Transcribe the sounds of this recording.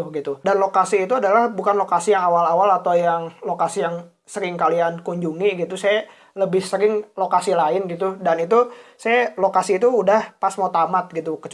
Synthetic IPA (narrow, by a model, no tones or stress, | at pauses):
ɡit̪udanlokasiːt̪uadalahbukanlokasijaŋawalawalat̪awjaŋlokasijaŋ | səɾɪŋkaliankuɲd͡ʒuŋiɡit̪usaja | ləbɪhsəɾɪŋlokasilaɪnɡit̪udanit̪usajalokasiːt̪uːdahpasmot̪amat̪̚ɡit̪ukət͡ʃ